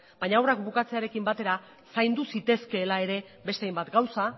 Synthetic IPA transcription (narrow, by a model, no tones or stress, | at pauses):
b̥ajɲaawrakbukat͡se̞aɾe̞kimbat̪e̞ɾa | sajnd̪usit̪e̞ske̞ːlae̞ɾe̞ | be̞st̪eajmbat̪ɡawsa